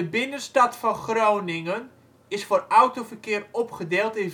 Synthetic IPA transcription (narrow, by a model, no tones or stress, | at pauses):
əbɪnənstatfɔnχrownɪŋən | ɪsfoːrawtofərkɪːrɔpχədɪːlˠtɪn